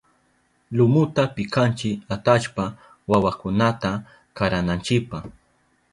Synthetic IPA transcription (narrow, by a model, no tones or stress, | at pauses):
lʊmʊt̪apɪkant͡ʃɪat̪aʃpa | wawakʊnat̪a | kaɾanant͡ʃɪpaχ